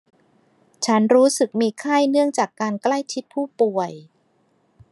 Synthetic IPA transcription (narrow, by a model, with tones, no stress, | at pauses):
t͡ɕʰa˦˥nɾuː˦˥sɯ˨˩k̚miː˧kʰa˥˩jnɯ˥˩əŋt͡ɕaː˨˩kːaː˧nkla˥˩jt͡ɕʰi˦˥t̪̚pʰuː˥˩pu˨˩əj